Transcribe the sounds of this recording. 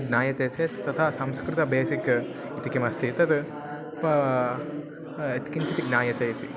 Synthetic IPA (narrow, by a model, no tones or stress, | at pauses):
ɡnaːjɐt̪eːt̪ʰet̪t̪ɐt̪ʰasɐmskɾɪt̪ɐbeːsik | it̪ikemɐst̪ʰit̪ɐt̪ | t̪i̥kint͡ʃʰit̪iɡnaːjɐt̪eːit̪i